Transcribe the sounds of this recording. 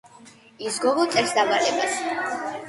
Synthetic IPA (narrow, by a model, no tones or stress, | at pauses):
isɡɔɡɔt̪sʼɛɾsd̪avalɛbas